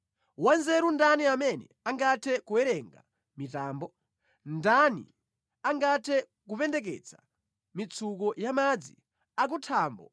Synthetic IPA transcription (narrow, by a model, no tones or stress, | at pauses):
wanzɛɾundaniamɛnɛ̰ | aŋɡatʰɛkuɛɾɛŋɡa̰ | mitaːmbɔ | ndanḭ | aŋɡatʰɛ | k̬upɛndɛk̬ɛ̰t͡sʰḁ̰ | mit͡sʰukɔjamad͡zi | ak̬utʰaːmbɔ̰